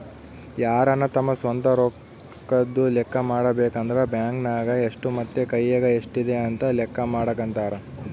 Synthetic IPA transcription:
jaːɾɐnːɐt̪ɐmːɐsʋɐnt̪ɐɾo | kːɐd̪ːulɛkːɐmaːɽɐbeːkɐnd̪ɐɾebjaːŋknaːɡɐeʂʈumɐt̪ːekɐjːɐɡɐeʂʈid̪eɐnt̪ɐlɛkːɐmaːɽɐɡɐnt̪aːɾɐ

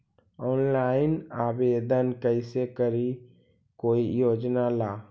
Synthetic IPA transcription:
ɔːnlaːɪnaːbeːd̪ənkəɪsekəɾi | koːijoːd͡ʒnalaː

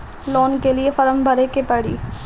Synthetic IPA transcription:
lɔːnkeliefɐɾəmbʱɐɾekepɐɽḭː

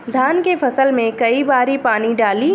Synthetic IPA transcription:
d̪ʱaːnkefɐsəlmẽkɐibaːɾipaːniɖaːli

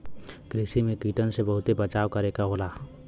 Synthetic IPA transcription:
kɾɪsimẽkiːʈənsebɐɦʊt̪ebət͡ʃaːʋwkɐɾeːkaɦoːlaː

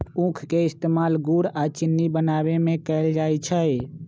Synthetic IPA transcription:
ũkʰkeɪst̪eːmaːlɡuɾat͡ʃɪnːibənaːbemẽkəɪld͡ʒaːjt͡ʃʰəe

